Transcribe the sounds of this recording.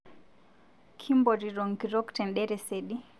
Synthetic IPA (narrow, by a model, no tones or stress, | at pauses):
kʰimbɔɾiɾɔŋkiɾɔktɛnɗɛɾɛsɛɗi